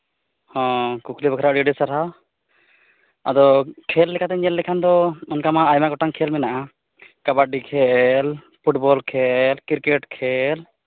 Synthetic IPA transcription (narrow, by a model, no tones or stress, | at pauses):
hɔ̃kukʰlibɔkʰɾaɖiɖisaɾa | a̰d̪ɔkʰɛlːɛkʰat̪ɛɲɛlːɛkʰand̪ɔɔnkamaːjmaɡɔʈaŋkʰɛlmɛnaʔa | kabaɖikʰɛl | pʰuʈbɔlkʰɛlkiɾkeʈkʰɛl